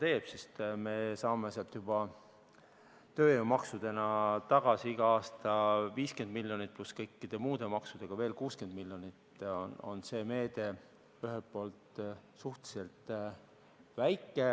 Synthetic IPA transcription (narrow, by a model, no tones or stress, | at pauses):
t̪e̞ːb̥sist̪me̞sɑːmeseɑlt̪jub̥ɑ | t̪ø̞ːeumɑksud̪̥e̞nɑt̪ɑɡ̥ɑsiiɡ̥ɑɑːst̪ɑviːske̞nd̪̚miljo̞nit̪̚ˑpluskɤjkːid̪̥e̞muːd̪̥e̞mɑksud̪̥e̞ɡ̥ɑve̞ːlkuːske̞nd̪̥miljo̞nit̪ono̞̰nse̞ːme̞ːd̪̥e̞ | yɦe̞lt̪̚po̞ːlt̪suht̪i̥selt̪ | væjkːˑe